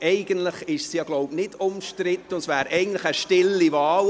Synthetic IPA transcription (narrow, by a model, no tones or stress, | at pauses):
ʔɛɪɡ̥əntləχɪʃsjɑːɡloʊbnɪdʊmʃtɾɪt̪ːəʊnsvæːɾɛɪɡən̩tləχəʃtɪlːivɑːl